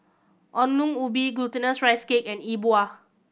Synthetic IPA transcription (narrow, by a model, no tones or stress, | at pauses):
ʔɔ̃nlũŋubiɡlutənəsɹajskekɛ̃nibua